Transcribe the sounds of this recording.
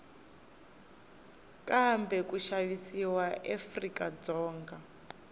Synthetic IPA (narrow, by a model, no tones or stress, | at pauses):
kʼambɛkuʃaβisiwaʔefrikad͡zɔːŋɡa